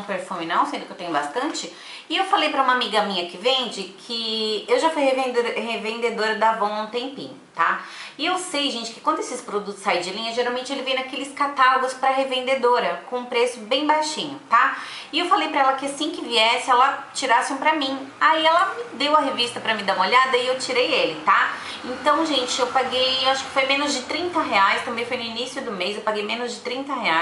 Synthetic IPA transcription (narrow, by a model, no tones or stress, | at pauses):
peɾfũmɪnɐ̃w̃sẽnd̪ʊkɪewt̪ẽɲʊbast̪ɐ̃nt͡ʃɪ | ɪewfalejpɾɐũmɐamiɡɐamĩɲɐkɪvẽnd͡ʒɪkʰɪewʒafujhevẽd̪hevẽnd̪ed̪oɾɐd̪avɐ̃w̃ɐ̃ũt̪ẽmpḭ̃ɲʊt̪aɪewsejʒẽnt͡ʃɪkɪkwɐ̃nd̪ʊesɪspɾod̪ut̪ʊ̥saĩd͡ʒɪlĩɲɐʒeɾawmẽnt͡ʃɪelɪvejnakelɪskat̪aloɡʊspɾɐɦevẽnd̪ed̪oɾɐkõũpɾesʊbẽj̃bajʃĩɲʊt̪aɪewfalejpɾɐɛlɐkɪasĩkɪviɛsɪɛlɐt͡ʃiɾasɪũpɾɐmĩaiɛlɐmɪd̪ewɐɦevist̪ɐpɾɐmɪd̪aũɐolad̪ɐɪewt͡ʃiɾejelɪt̪a | ẽnt̪ɐ̃w̃ʒẽnt͡ʃɪewpaɡejewaʃʊ̥kɪ̥fojmẽnʊzd͡ʒɪt̪ɾĩt̪ɐɦeajst̪ɐ̃mbẽj̃fojnʊinisjʊd̪ʊmejzewpaɡejmẽnʊzd͡ʒɪt̪ɾĩnt̪ɐhea